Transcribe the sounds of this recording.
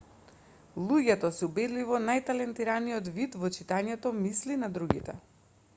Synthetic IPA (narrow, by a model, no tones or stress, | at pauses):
lˠuɟɛt̪ɔsɛubɛd̪livɔnajt̪alɛnt̪iɾanijɔt̪vit̪vɔt͡ʃit̪aɲɛt̪ɔmislinad̪ɾuɡḭt̪ɛ